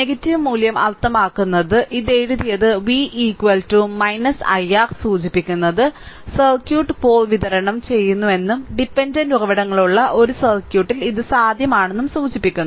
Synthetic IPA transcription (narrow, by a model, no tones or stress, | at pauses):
neɡɐtːiʋmuːljɐmɐ̰lt̪ːɐmaːkːunːɐðɨʔiðe̞ːɻuðijɐðɨʋiʔiːkwɐltːumːɐjnɐsɐ̰jaːrsuːt͡ɕipːikʲːunːɐðɨsɐlkjuːʈːɨpo̞ːlʋiðɐɾɐɳɐmt͡ɕe̞jːunːue̞nːumɖipːendɐnduɣɐʋɐɽɐŋːɐɭuɭːɐʔo̞ɾusɐrkjuːʈːiliðɨsaːd̪ʱjɐmaːɳe̞nːumsuːt͡ɕipːikʲːunːɐ